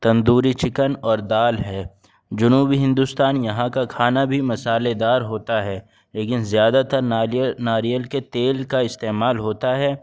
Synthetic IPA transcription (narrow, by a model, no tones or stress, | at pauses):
t̪ɐ̃nd̪uːɾit͡ʃɪkənɔːɾd̪aːlɦɛː | d͡ʒʊnuːbiɦɪ̃nd̪ʊst̪aːnjɐɦãkakʰaːnabʱimɐsaːled̪aːɾɦoːt̪aɦɛː | leːkɪnzjaːd̪at̪ɐɾnaːɾijəlket̪eːlkaɪst̪eːmaːlɦoːt̪aɦɛː